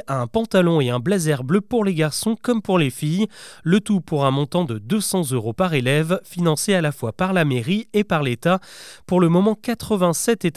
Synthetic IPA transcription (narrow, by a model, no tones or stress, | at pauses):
aɛ̃pɑ̃t̪alɔ̃eɛ̃blazɛʁbløpuʁleɡaʁsɔ̃kɔmpuʁlefijlət̪upuʁɛ̃mɔ̃t̪ɑ̃d̪əd̪øsɑ̃zøʁopaʁelɛvfinɑ̃sealafwapaʁlameʁiepaʁlet̪apuʁləmɔmɑ̃kat̪χəvɛ̃sɛt̪et̪